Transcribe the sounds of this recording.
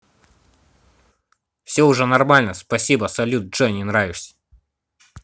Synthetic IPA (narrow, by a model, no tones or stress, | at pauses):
fsʲoʊʐɛnɐrmalʲnəspɐsʲibəsɐlʲut̪̚ʐɛnʲinɾavʲɪʂsʲ